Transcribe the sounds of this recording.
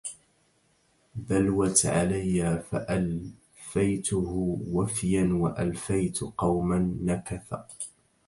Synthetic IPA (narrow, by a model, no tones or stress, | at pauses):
ðalwat̪ʕa̰lajːaːfaʔal | fajt̪ʊhʊwafjanwaʔalfajt̪qɑwmanːakaθa